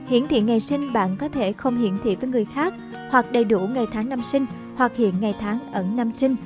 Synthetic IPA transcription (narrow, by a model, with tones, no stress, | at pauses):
hḭ˧˨ənt̪ʰḭ˧˨ŋa˨˩jsï˧ŋ̟ɓa̰ː˧˨nkɔ˨˦t̪ʰe˧˩xə˧wŋ͡mhḭ˧˨ənt̪ʰḭ˧˨vəː˨˦jŋɨ˨˩əjxaː˦˥k̚ | hwa˨˩k̚ɗə˨˩jɗu˧˩ŋa˨˩jt̪ʰaː˨˦ŋna˧msï˧ŋ̟ | hwa˨˩k̚hḭ˧˨ənŋa˨˩jt̪ʰaː˨˦ŋʔə˧˩nna˧msï˧ŋ